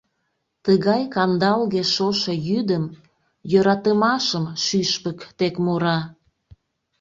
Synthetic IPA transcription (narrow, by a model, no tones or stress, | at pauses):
t̪əɣɑjkɑnd̪ɑlɣeʃoʃejyd̪əm | jøɾɑt̪əmɑʃəmʃyʃpəkt̪ekmoɾɑ